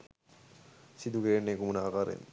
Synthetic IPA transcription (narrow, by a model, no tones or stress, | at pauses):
sid̪ukeɾenːekumunaakaɾḛn